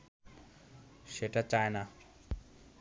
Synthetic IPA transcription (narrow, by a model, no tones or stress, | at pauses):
ʃeʈat͡ɕaena